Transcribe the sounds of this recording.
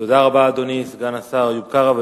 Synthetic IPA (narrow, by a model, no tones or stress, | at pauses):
tod̪aʁabaːd̪onisɡanasaʁjub̚kaʁav